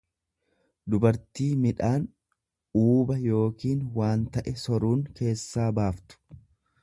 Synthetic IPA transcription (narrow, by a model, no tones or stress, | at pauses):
d̪ʊbɐɾt̪iːmɪᶑaːn | uːbɐjo̞ːkiːnwaːnt̪ɐʔɛsɔɾuːŋke̞ːsːaːbaːft̪ʊ̥